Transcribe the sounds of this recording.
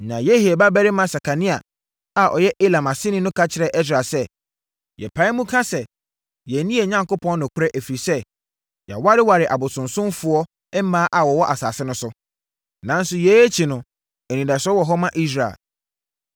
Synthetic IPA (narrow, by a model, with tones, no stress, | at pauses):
nã˨je˦hi˨e˨ba˦bɛ˦ɾɪ˦mã˦sa˨kʰa˨nĩ˦a̰˨ | a˨ʔɔ̰˨jɛ˦ʔe˦lã˨ma˨sɪ˦nɪ̃˦nʊ̃˦kʰa˦t͡ɕʰɪ˨ɾɛ˦ʔɛ˦s̬ɾa˨sɛ˦˨ | jɛ̰˨pʰa˨˦ɪ˦mũ˦kʰã˦sɛ˨ | jɛ˨˦nĩ˦e˨ɲã˦ŋko˦pʰɔ̃˦nnʊ̃˨kʷʰʊ˦ɾɛ˦ʔe˨fi˨ɾi˨sɛ˦ | j̰wa˦ɾɪ˦wa˨ɾɪ˨ʔa̰˨bʊ˨sʊ̃˨nsʊ̃˦mfʊ˨ɔ˦ | ɛ˦m˦mãː˦ʔa˨wɔ˨wɔ˦ʔa˨sa̰ː˨sɪ˦nʊ̃˦sʊ˦ | nã˨˦n̩˦sʊ˨jɛ˨˦e˦t͡ɕʰi˨nʊ̃˨ | ɛ˨nĩ˨da˨sɔ˦wɔ˨ɦɔ˦mã˦ʔi˦s̬ɾa˨ḛ˨